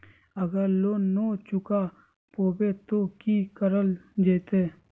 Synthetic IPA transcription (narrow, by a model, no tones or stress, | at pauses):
əɡəɾloːnoːt͡ʃʊka | poːbet̪okikəɾəld͡ʒeːt̪eː